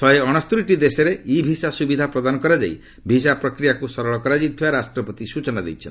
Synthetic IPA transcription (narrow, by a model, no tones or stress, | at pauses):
ɔeɔɽ̃ɔst̪ɾiʈid̪esɔɾeibʱisasubid̪ʱapɾɔd̪anɔkɔɾad͡ʒa̰j | bʱis̬apɾɔkɾijakusɔɾɔɭɔkɔɾad͡ʒit̪ʰiaɾasʈɾɔpɔt̪isut͡ʃɔnad̪ḛjt͡ʃʰɔ̰n